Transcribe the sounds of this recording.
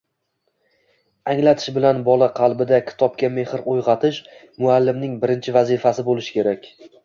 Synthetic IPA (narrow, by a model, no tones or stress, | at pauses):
aŋlat̪ʰɪ̥ʃbɪlanbɒlˠaqʰɑlˠbɪd̪akʲʰɪ̥t̪ʰɒp̚kʲame̞hɪɾʔojʁɑt̪ʰɪʃ | mʊalːɪmnɪŋbɪɾɪnt͡ʃʰɪvazifasɪbolɪʃɪ̥kʲʰe̞ɾakʲ